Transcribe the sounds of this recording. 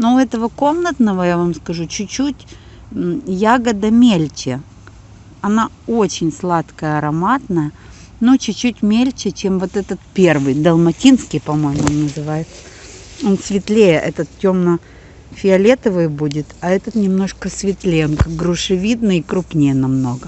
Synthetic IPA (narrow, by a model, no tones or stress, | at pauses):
noʊɛt̪əvəko̞mnət̪nəvəjavamskɐʐut͡ɕʊt͡ɕːut̩ʲ | jaɡəd̪əmʲelʲt͡ɕɪ | ɐna | o̞t͡ɕɪnʲslˠat̪kəjəɐɾɐmat̪nəjə | not͡ɕʊt͡ɕːutʲmʲelʲt͡ɕɪt͡ɕemvo̞t̪ɛt̪ət̪pʲe̞rvɨjd̪ɐlˠmɐtʲinskʲɪjpɐmo̞jɪmʊonːəzɨvajɪt̪sə̥ | onsvʲɪt̪lʲejəʔɛt̪ət̪tʲo̞mnə | fʲɪɐlʲet̪əvɨjbudʲɪt̪ɐɛt̪ət̪nʲɪmno̞ʂkəsvʲɪt̪lʲejonkaɡɾʊʂɨvʲid̪nɨikɾupnʲɪjənɐmno̞ɡə